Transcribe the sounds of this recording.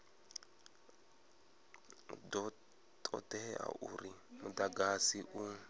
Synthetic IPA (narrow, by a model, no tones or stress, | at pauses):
dɔ | tʰʼɔ̰dɛa̰ʔuɾimudaɡasiʔu